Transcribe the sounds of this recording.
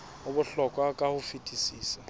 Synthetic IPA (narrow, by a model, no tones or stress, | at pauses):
ʊbʊɬɔkʼwakʼahʊfitʼisiːsa